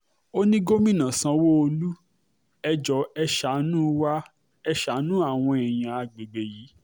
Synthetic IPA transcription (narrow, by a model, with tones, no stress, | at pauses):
o˦nĩ˦ɡo˦mĩ˦˨nã˨sã˧wo˦o˧lu˦ | ɛ˧d͡ʒɔ˨˦ɛ˧ʃa˨˦nũ˦wa˦ | ɛ˧ʃa˨˦nũ˦a˦˨w̃ɔ̃˧ɛ˨j̃ã˨a˨ɡ͡be˨ɡ͡be˨ji˨˦